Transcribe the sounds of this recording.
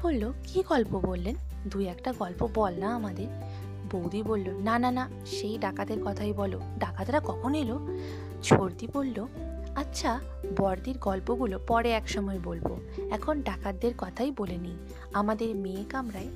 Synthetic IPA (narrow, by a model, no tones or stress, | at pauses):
bolːokiɡɔlpobolːen | d̪ujɛkʈaɡɔlpobɔlnaamad̪eɾ | bowd̪ibolːonanana | ʃejɖakad̪eɾkɔt̪ʰajbɔlo | ɖakad̪ɾakɔkʰonɦelo | t͡ɕʰoɾd̪ibolːo | atːɕʰa | bɔɾd̪iɾɡɔlpoɡulopɔɾeɛkʃɔmɔebolbo̰ɛkʰonɖakad̪ːeɾkɔt̪ʰajboleni | amad̪eɾmekamɾae